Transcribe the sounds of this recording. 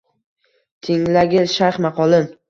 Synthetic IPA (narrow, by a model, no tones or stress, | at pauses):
t̪ʰɪŋlaɡʲɪʃaɾχmaqʰɒlˠɪn